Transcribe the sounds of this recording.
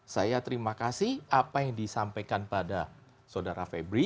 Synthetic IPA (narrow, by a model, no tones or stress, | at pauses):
sajat̪əɾimakasɪhapajaŋdisampajkanpada | sodaɾafebɾi